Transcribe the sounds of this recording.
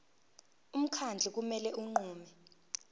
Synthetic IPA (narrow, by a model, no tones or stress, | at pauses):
um̩kʰand͡ɮʱɛk̬umɛlɛʔuŋ͡ǃuːmɛ